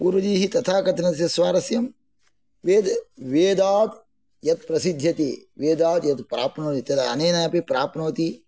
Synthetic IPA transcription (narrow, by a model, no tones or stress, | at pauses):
puɾud͡ʒiːɦit̪ɐt̪ʰaːkɐt̪ʰnɐjɐsʋaːɾɐsjɐm | ʋeːd̪ʋeːd̪aːd̪ | jɐt̪̚pɾɐsid̪ʱjɐt̪ḛːʋeːd̪aːd̪jɐt̪pɾaːpnoːt̪it̪ɐd̪ɐneːnajɐpepɾaːpnoːt̪i